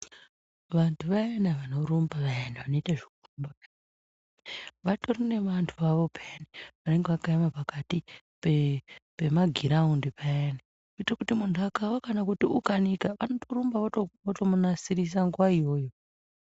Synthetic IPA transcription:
ʋantʰuʋajenaʋano̞ɾumbaʋajanaʋano̞itaʐekurumba | ʋatorine̞ʋantʰuʋaʋo̞peaniʋane̞ŋɡeʋakaamapakati | pepe̞maɡʱiɾaundipʰaena | uitakutimuntʰuakawakanakutiukanikaʋano̞toɾumbaʋaootomunasiɾis̬aŋɡuwaijo̞ːjo

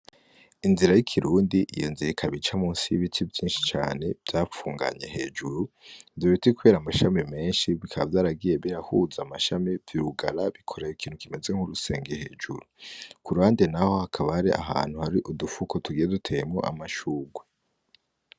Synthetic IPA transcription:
inziɾajikʰiɾuːndiʔijo̰nzijekʰaβit͡ʃamuːnsiβitʰivjiːnʃi̥t͡ʃa̰ːne̞vjaːfuːŋɡa̰ɲe̞ɦe̞ːd͡ʒuɾu | oβitikuβe̞ːɾamaʃamime̞ːnʃiβikʰaβavjaːɾaɡije̞βiɾahuzamaʃamiviɾuɡaɾaβikʰo̞ɾejikʰiːnhukimeze̞ŋ̥huɾuse̞̰ːŋɡehe̞ːd͡ʒṵɾukʰuɾuhaːndenaho̞hakʰaβahaɾiʔa̰ɦa̰ːn̥huhaɾiʔudufukʰo̞tuɡijedutʰe̞jmoʔa̰maʃuːɡwe

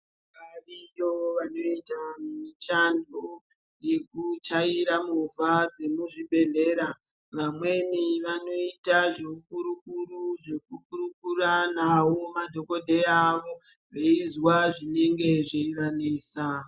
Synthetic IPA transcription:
karijoʋano̞itammit͡ʃandʱo | je̞kutaiɾamuvad͡ze̞muʐibʱe̞ɮe̞ːɾa | ʋamwe̞niʋano̞itaʐeukuɾukuɾuʐe̞k̚uk̚uɾukuranawo̞madʱo̞ko̞dʱe̞aʋo̞reizwaʐine̞ŋɡe̞ʐeiraneːsa

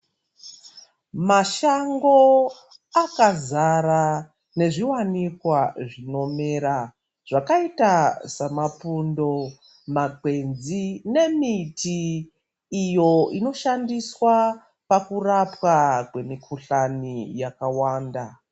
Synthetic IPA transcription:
maʃaŋɡo̞ | akazara | ne̞ʐiwanikwaʐino̞me̞ːɾa | ʐ̥akaitasamapundo̞ | maɡwe̞nzine̞mitʰiː | jo̞ino̞ʃandiswa | pakurapwakwe̞mikʰuɬanijakawaːnda

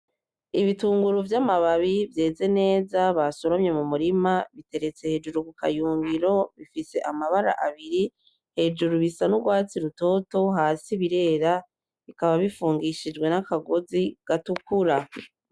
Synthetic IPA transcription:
iβituːŋɡuɾuvjamaβaβivje̞ːze̞ne̞ːzaβaso̞ɾomɲe̞mumuɾimaβite̞ɾe̞t͡se̞he̞ːd͡ʒuɾukukʰa̰juːŋɡiɾo̞βifise̞ʔamaβaɾa̰ʔaβiɾi | he̞d͡ʒuɾuβisanuɡwaːt͡siɾuto̞ːto̞ɦaːsiβiɾe̞ːɾa | βikaβaβifuːŋɡiʃid͡ʒɡwe̞nakaɡo̞ziɡ̥atukuɾa

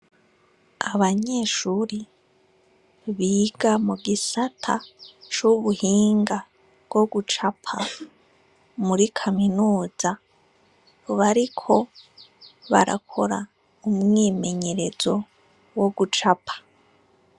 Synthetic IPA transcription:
aβaɲe̞ːʃuːɾi | βiːɡamuɡisatʰat͡ʃuβuhiːŋɡa | βbɡo̞ɡut͡ʃapʰa | muɾikʰaminuːza | βaɾikʰo̞ | βa̰ɾa̰kʰo̞ɾa | umŋiːme̞ɲe̞ɾe̞zo̞ | woɡut͡ʃapʰḁ

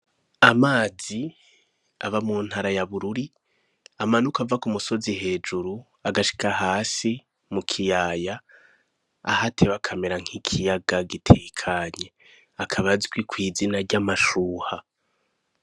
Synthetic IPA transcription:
amaːzi | a̰βamuːn̥haɾajaβuɾuɾi | amanukavakumuso̞ziɦe̞ːd͡ʒuɾu | aɡaʃi̥kahaːsi | mukʰijaːjaː | hatʰeβakʰameɾaŋ̥hikʰijaɡaɡitʰekʰaɲe̞ | akʰaβazɡwikwiːzinaɾɟamaʃuːha

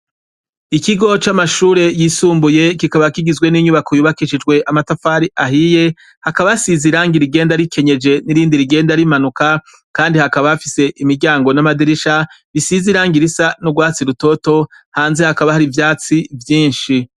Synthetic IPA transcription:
ikiɡo̞t͡ʃamaʃuːɾe̞jiːsuːmbuje̞kikaβakiɡizwe̞niɲuβako̞juβakiʃid͡ʒɡwe̞ʔamatafaɾiʔaɦije̞ | hakaβaasiziɾaːŋɡiɾiɡe̞ːndaɾikʰe̞ɲe̞d͡ʒe̞niɾiːndiɾiɡe̞ːndaɾimanuka | kaːndihakaβaafise̞ʔimiɾɟaːŋɡo̞namadiɾiʃa | ɾisiziɾaːŋɡiɾisanuɡwaːt͡siɾuto̞to̞ | haːnze̞hakaβahaɾivjaːt͡sivjiːnʃi

